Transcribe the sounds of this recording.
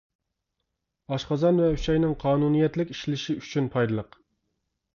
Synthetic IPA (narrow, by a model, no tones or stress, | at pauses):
ɑʃqɑzɑnvɛyʃɛjnɪŋqʰɑːnunijɛt̪lɪkʲi̥ʃlɪʃiyt͡ʃʰynpʰɑjd̪ɨlˠəq